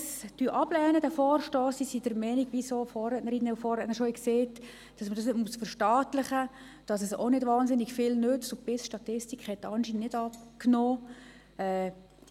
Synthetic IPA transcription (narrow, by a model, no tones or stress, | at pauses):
styʔɑb̥lɛːnədɛfɔːrʃtɔːsisid̥əɾmɛniɡʋisofɔːɛtnəɾinːəufɔːrɛtnəʃoikseːt | d̥ɑsmədɑsnɪtmusfəɾʃtɑːtlɪχə | d̥ɑsəso̰nɪdvʋɑːnsɪnːɪɡfɪlnʏt͡stʊpɪsʃtɑtɪstikʰχhɛtːɑnʃinənnɪdɑpknoː | ɛ